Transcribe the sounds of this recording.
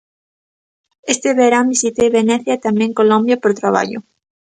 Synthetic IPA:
est̪eβeɾambisit̪eβenɛθjat̪amɛ̃ŋkolombjapoɾt̪ɾaβa̰ʎʊ̰

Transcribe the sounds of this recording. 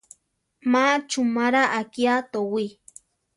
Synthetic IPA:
mat͡ʃumaɾaʔakiat̪owi

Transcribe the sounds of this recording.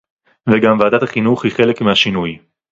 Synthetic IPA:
veɡamvaːd̪at̪aχinuχhiχe̞lekmehaʃinuj

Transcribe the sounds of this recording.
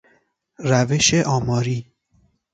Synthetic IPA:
ræveʃeʔɒːmɒːɾiː

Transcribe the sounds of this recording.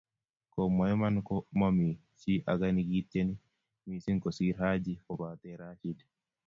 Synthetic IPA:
kɔmajmankɔmami | t͡ʃiʔaɡaniɡitːeni | misiŋkɔsiɾhad͡ʒifɔbat̪ɛɾat͡ʃidɛ

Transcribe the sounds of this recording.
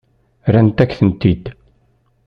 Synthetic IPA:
ɾænt̪ækθənt̪id̪

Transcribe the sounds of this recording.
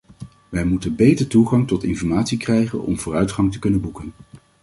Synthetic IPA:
ʋɛjmutənbejtəɹtuχɑŋtɔtɪnfɔɹmaːtsikrɛjχə̰nɔ̰mvʊːrœɥtχɑŋtə̥kɵnənbukən

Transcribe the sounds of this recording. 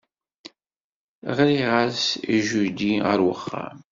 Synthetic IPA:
ʁɾiʁasiʒud̪iʁə̰ɾwəχːa̰m

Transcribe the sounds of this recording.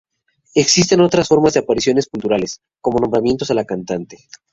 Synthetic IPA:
e̞ksis̬t̪e̞no̞t̪ɾasfo̞ɾmazðe̞apaɾisjo̞ne̞spunt̪uɾale̞s | ko̞mo̞nombɾamje̞nt̪o̞selakant̪ant̪e

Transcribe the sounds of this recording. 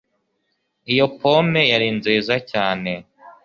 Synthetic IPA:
ijopʰo̞me̞jaɾinzeːzacaːne̞

